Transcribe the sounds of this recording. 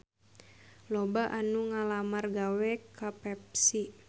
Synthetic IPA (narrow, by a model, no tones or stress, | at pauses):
lɔbaʔanuŋalamarɡawɛkapɛp̚si